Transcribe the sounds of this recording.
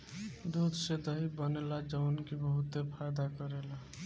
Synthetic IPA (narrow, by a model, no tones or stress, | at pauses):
d̪ud̪sed̪əɦibənelad͡ʒəwnkibəɦut̪ːepʰajd̪akəɾela